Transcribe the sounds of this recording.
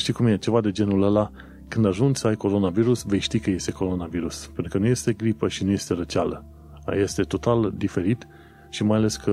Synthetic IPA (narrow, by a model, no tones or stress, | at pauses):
ʃt̪ijkumjet͡ʃe̞vad̪e̞d͡ʒe̞nuləla | kɨnd̪aʒund͡ʒsəajko̞ɾo̞naviɾusve̞jʃt̪ikəje̞st̪e̞ko̞ɾo̞naviɾuspent̪ɾukənuje̞st̪e̞ɡɾipəʃinuje̞st̪e̞ɾət͡ʃalə̰ | je̞st̪e̞t̪o̞t̪ald̪ife̞ɾit̪ | ʃimajale̞skʰə